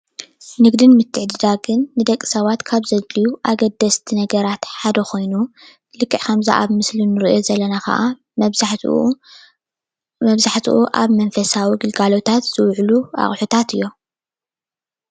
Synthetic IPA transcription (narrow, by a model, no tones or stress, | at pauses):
nɨɡd̪ɨnmɨt̪ʰːɨʕd̪ɨd̪aɡɨnːɨd̪ɐkʼːi̥sɐβat̪kʰaβzɐzlijuʔaɡɐd̪ːɐst̪ʰinɐɡɐɾat̪ħad̪ɐxʰo̞jnu | lɨkʰːɨʕkʰɐmza̰ʔa̰βmɨslinɨɾijozɐlːɐnakɐ̰ʔa | z | mɐβzaħt̪ʰiʔuʔaβmɐnfɐsawiɡɨlɡalo̞t̪ʰat̪z̥ɨwʕlua̰χʼħut̪ʰat̪ɨjːo̞